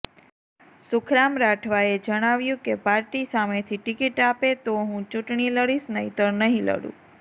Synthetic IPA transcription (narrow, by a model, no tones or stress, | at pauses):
sʊkʰɾamɾaʈʰʋaed͡ʒəɽ̃aʋjũkepaɾʈisamet̪ʰiʈikiʈapet̪oɦũt͡ʃũʈɳiləɽisnəɦit̪əɾnəɦĩlə̰ɽṵ̃